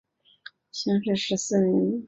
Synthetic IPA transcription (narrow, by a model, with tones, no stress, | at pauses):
ɕɑ˥ŋʂɻ̩˥˩ʂɻ̩˧˥sɹ̩˥˩ni˧˥n